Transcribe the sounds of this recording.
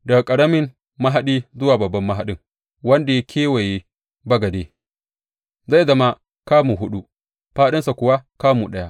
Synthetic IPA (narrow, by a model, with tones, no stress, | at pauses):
dɐ˨ɡkʼɐ˨ɽɐ˦mɪ˦m | ma˦ɦa˦ɗiː˦zʊ˦waː˨bɐ˨bːɐ˦mːɐ˦ɦa˦ɗɪ˦ŋ | wɐ˦nda˨ja˦kʲʰeː˦we˨je˦ | bɐ˦ɡɐ˨deː˦ | za˦˨jzɐ˦ma˦ | kaː˦muː˨ɦʊ˦ɗu˦ʔ | ɸaː˦ɗɪ˦nsa˨kʷʊ˨wa˦kaː˦mu˨ɗɐ˦ja˦ʔ